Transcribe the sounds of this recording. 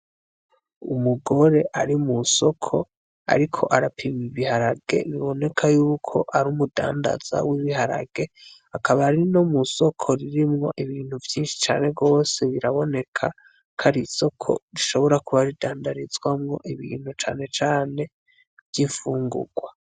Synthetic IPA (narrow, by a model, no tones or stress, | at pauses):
ṵmuɡo̞ɾe̞ʔaɾimuso̞kʰo̞ | a̰ɾikʰo̞̰ʔaɾapʰimiβihaɾaɡ̥e̞̰βiβo̞ne̞kʰajuːkʰo̞ʔaɾumuda̰ːnda̰z̥a̰wiβiɦaɾa̰ɡ̥e̞ | akʰaβaɾinomuso̞kʰo̞ɾiɾimŋo̞ʔiβiːn̥huvjiːnʃi̥t͡ʃa̰ːne̞b̚ɡo̞ːse̞βiɾaβo̞ne̞kʰa | kʰaɾiso̞kʰo̞̰ɾiʃo̞βo̞ɾakuβaɾidaːndaɾizwamŋo̞ʔiβḭːn̥hut͡ʃa̰ːne̞t͡ʃaːne̞ | vjiɱfuːŋɡṵɡwa